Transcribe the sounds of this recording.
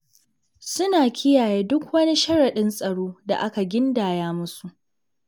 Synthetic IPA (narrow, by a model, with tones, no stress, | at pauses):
sʊ˦naː˨kʲʰɪ˦jaː˨jeː˦dʊ˦kwɐ˦ni˦ʃɐ˦ɽɐ˨ɗɪ˦nsʼɐ˨ɽoː˦da̰˨ʔa˦ka˨ɡʲɪ˦ndaː˨jaː˦mʊ˦su˨ʔ